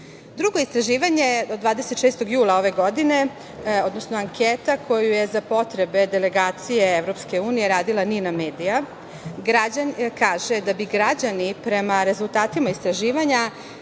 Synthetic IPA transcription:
d̪ɾuɡo̞ist̪ɾaʒiːʋaɲe̞od̪ːʋaːd̪eset̪ʃest̪o̞ɡjuːlˠao̞ʋe̞ɡo̞d̪ine̞ | o̞d̪nosnoaŋkʰet̪akʰo̞juje̞zapo̞t̪ɾe̞be̞d̪ele̞ɡaːt̪sije̞evɾo̞pske̞uːnije̞ɾaːd̪ilˠaniname̞ːd̪ija | ɡɾad͡ʑankaːʒe̞d̪abiɡɾad͡ʑanipɾe̞maɾe̞zulˠt̪aːt̪imaist̪ɾaʒiːʋaɲa

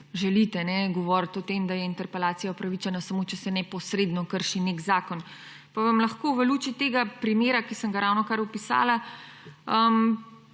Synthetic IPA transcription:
ʒɛlit̪ɛnɛɡɔʋɔɾt̪ɔt̪emd̪ajɛint̪ɛɾpɛlaːt̪sijaopɾɐʋit͡ʃɛnasamot͡ʃɛsɛnɛpɔsɾed̪nɔkəɾʃineɡzaːkɔn | paʋamlɐxkoːʋəluːt͡ʃit̪eːɡapɾimjeːɾakisəŋɡaɾawnɔkaɾupisa̰ːla | əm

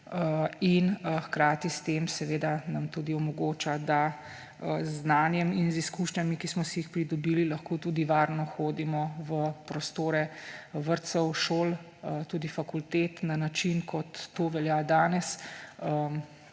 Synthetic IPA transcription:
əinxkɾaːt̪ist̪eːmsɛʋeːd̪anamt̪uːd̪iɔmɔɡoːt͡ʃad̪a | əzːnaːnjɛminziskuʃɲamikismɔsijixpɾid̪ɔbiːlilɐxkoːt̪uːd̪iʋaːɾnɔxoːd̪imɔʋəpɾɔst̪oːɾɛʋəɾt̪sɔwʃoːl | t̪uːd̪ifakult̪eːt̪nanat͡ʃinkʰɔt̪ːoːʋɛljaːd̪aːnɛsə

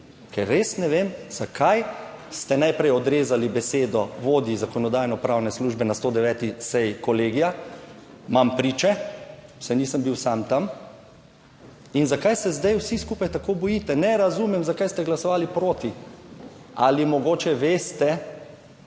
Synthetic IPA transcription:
kɛɾːesnɛʋemz̥akʰajst̪ɛnajpɾɛjɔd̪ɾeːzalibɛseːd̪ɔʋoːd̪izakɔnɔd̪aːjnɔpɾawnɛsluːʒbɛnast̪oːd̪ɛʋɛːt̪isɛjkɔleːɡija | mampɾiːt͡ʃɛsɛniːsəmbiwsamt̪am | inzakajsɛzd̪ajwsiskuːpajt̪akoːbɔjit̪ɛnɛɾazumɛmzakajst̪ɛɡlasɔʋaːlipɾoːt̪i | alimɔɡoːt͡ʃɛʋeːst̪ɛ

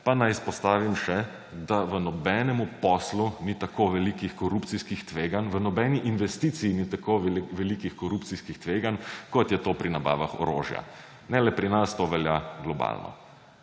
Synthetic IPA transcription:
panajspɔst̪aːʋimʃɛ | d̪aʋənɔbɛnɛmupɔslunit̪akoʋɛlikixkɔɾupt̪siskixt̪ʋeːɡanʋənɔbɛniʔinʋɛst̪iːt̪sijinit̪akoʋɛlikixkɔɾuptsiskixt̪ʋeːɡankɔt̪jɛt̪opɾinaba̰ːʋa̰xɔ̰ɾo̰ːʒja̰ | nɛlɛpɾinast̪oʋɛlja̰ɡlɔba̰lnɔ̰

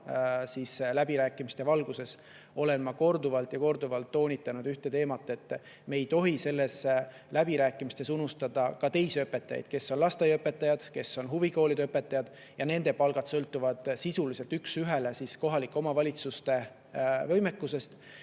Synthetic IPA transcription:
siːslæb̥iɾæːkːˑimist̪e̞vɑlɡ̥use̞s | o̞le̞nmɑko̞rd̪uvɑlt̪jɑko̞rd̪uvɑlt̪ːo̞ːnʲit̪ːˑɑnud̪̥yht̪e̞t̪e̞ːmɑt̪ːˑe̞t̪ːˑ | me̞ːjt̪o̞ɦise̞lːe̞s | læb̥iɾæːkːˑimist̪e̞sunust̪ɑd̪̥ɑkɑt̪e̞jsiøpːˑe̞t̪ːˑɑjɑ̰jd̪̥̚ke̞sːo̞nlɑst̪ejøpːˑe̞t̪ːˑɑjɑd̪̥ke̞sːo̞nɦuviko̞ːlid̪eøpːˑe̞t̪ːˑɑjɑd̪̥ | jɑne̞nd̪̥e̞pɑlɡ̥ɑt̪sɤlt̪ːˑuvɑd̪̥sisulise̞lt̪yksyɦele̞sisko̞ɦɑlikːˑo̞mɑvɑlʲit̪sust̪e̞ | vɤ̞jmekːˑuse̞st̪

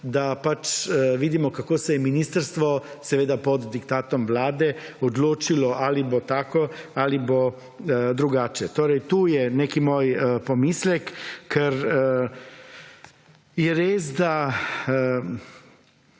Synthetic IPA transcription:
d̪apat͡ʃʋid̪imɔkakoːsɛjɛminiːst̪əɾst̪ʋɔsɛʋeːd̪apɔd̪d̪ikt̪aːt̪ɔmʋlaːd̪ɛɔd̪loːt͡ʃilɔʔalibot̪aːkɔalibo | d̪ɾuɡaːt͡ʃɛt̪oːɾɛjt̪uːjɛnekimoːjpomislɛkːɛɾ | jɛɾeːsd̪a

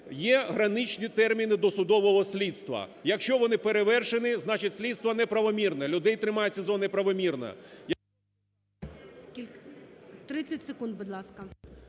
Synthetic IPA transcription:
jɛɦɾɐnɪt͡ʃnʲit̪ɛrmʲinɪd̪ɔsʊd̪ɔʋɔɦɔsʲlʲid̪st̪ʋɐ̰jɐkʃt͡ʃɔʋɔnɪpeɾeʋɛrʃenɪznɑt͡ʃɪtʲsʲlʲid̪st̪ʋɐnɛpɾɐʋɔmʲirnɛlʲʊd̪ɛjt̪ɾɪmɑjet͡sʲɐzɔnɪpɾɐʋɔmʲirnɐ̰j | ilʲ | t̪ɾɪt͡sʲɐtʲsɪkund̪̚bʊd̪lˠɑskɐ

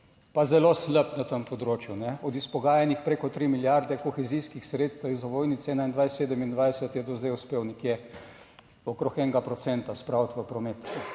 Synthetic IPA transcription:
pazɛlosləpnat̪əmpɔd̪ɾoːt͡ʃjunɛɔd̪ispɔɡaːjanixpɾeːkɔt̪ɾimiljaɾd̪ɛkɔxɛzijskixsɾeːt̪st̪izɔʋoːjnit̪sɛnaind̪ʋajseːd̪əmind̪ʋajsət̪jɛd̪ɔzd̪ɛjʊspewnikje | ɔkɾoxɛŋɡapɾɔt̪sɛnt̪aspɾawt̪ʋəpɾɔmeːt̪

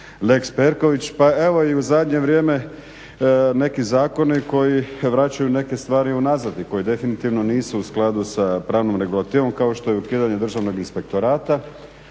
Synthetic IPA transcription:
le̞kspe̞ɾko̞ʋit͡ɕpae̞ʋo̞iuzad̪ɲe̞ʋɾje̞ːme̞ | ne̞kizaːko̞niko̞jiʋɾat͡ɕajune̞ke̞st̪ʋaːɾiunazad̪iko̞jid̪e̞finit̪iʋnoniːsuːsklˠad̪usapɾaːʋnomɾe̞ɡulˠat̪iːʋo̞mkao̞ʃt̪o̞jeukiːd̪aɲe̞d̪ɾr̩ʒaʋno̞ɡinspe̞k̚t̪o̞ɾaːt̪a

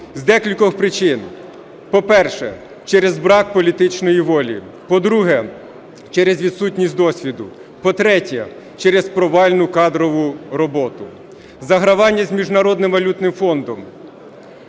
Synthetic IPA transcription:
zd̪ɛkʲilʲkɔxpɾɪt͡ʃɪn | pɔpɛrʃɛ̰ | t͡ʃɛɾezbɾɑkpɔlʲit̪ɪt͡ʃnɔjiʋɔlʲḭ | pɔd̪ɾuɦɛ | t͡ʃɛɾezʲʋʲid̪sutʲnʲisʲd̪ɔsʲʋʲid̪ʊ | pɔt̪ɾɛtʲɐ | t͡ʃɛɾespɾɔʋɑlʲnʊkɑd̪ɾɔʋʊɾɔbɔt̪ʊ | zɐɦɾɐʋɑnʲːɐzʲmʲiʒnɐɾɔd̪nɪmʋɐlʲut̪nɪmfɔnd̪ɔm

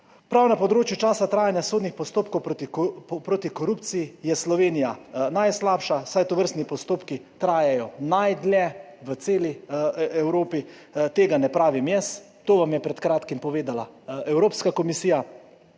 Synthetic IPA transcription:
pɾawnapɔd̪ɾoːt͡ʃjut͡ʃaːsat̪ɾaːjanjasoːd̪nixpɔst̪oːp̚kɔwpɾot̪ipɾoːt̪ikɔɾupt̪sijijɛslɔʋeːnijanajslaːpʃasajt̪ɔʋəɾst̪nipɔst̪oːpkit̪ɾaːjɛjɔnajd̪lɛʋət̪seːliɛwɾoːpi | t̪eːɡanɛpɾaːʋimjɛs | t̪oːʋamjɛpɾɛt̪kɾaːt̪kimpɔʋeːd̪alaɛwɾoːpskakɔmisiːja

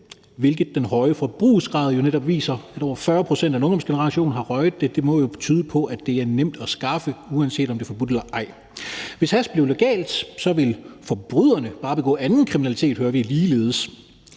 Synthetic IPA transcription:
ʋe̝lɡ̥ð̩ˠd̥enɦɒ̽ɪəfɒb̥ʁṵːsɡ̥ʁɑ̈ːð̞ˠjo̝neɾɒ̽b̥ʋḭːsɐæɾ̥ɒʊ̰ɐfɶːɐpʰʁo̝send̥ænɔ̽ŋd̥ɒ̽msɡ̥enəʁɑ̈ɕo̝̰ːnɦɑ̈ʁɒɪð̩ˠd̥e̝d̥e̝mɒ̽jo̝t͡sʰyːð̞ˠəpʰɒ̽ʔæd̥e̝æɐnem̰d̥ɒsɡ̥ɑ̈fəuænse̝̰ːd̥ɒmd̥e̝fɒ̽b̥ud̥elɐʔɑ̈ɪ̰ | ʋe̝shæsb̥liʊleɡ̥ɛ̰ːld̥sɒ̽ʋe̝lfɒ̽b̥ʁyð̰ˠɐnəb̥ɑ̈ːb̥e̝ɡ̥ɔ̰̽ːænn̩kʰʁiminælit͡sʰe̝̰ːd̥høɐʋiliːle̝ːð̞ˠəs

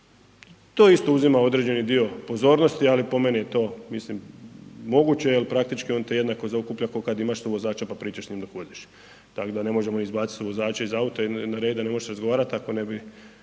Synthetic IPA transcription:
t̪o̞ːist̪o̞uzimao̞d̪ɾe̞d͡ʑe̞nid̪io̞po̞zo̞ːɾno̞st̪ialipo̞menijet̪o̞ːmislimː | o̞ɡut͡ɕejelpɾakt̪it͡ʃkio̞nt̪eje̞d̪nako̞zaukuplʎakokad̪imaʃsuʋo̞zaːt͡ʃapapɾiːt͡ʃaʃsɲiːmd̪okuod̪iʃ | t̪akod̪ane̞mo̞ʒe̞mo̞nizbaːt̪sit̪uʋo̞zaːt͡ʃeizaut̪oinaɾe̞ːd̪d̪ane̞mo̞ʒeʃɾazɡoʋaːɾat̪ako̞ne̞bi

